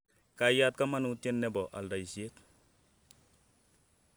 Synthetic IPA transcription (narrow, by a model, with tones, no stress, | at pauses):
ka˨ja˦t̚ka˦ma˦nu˦te˦nːe˦bɔ˨ʔa̰˨lda˨i˨si˨e˦t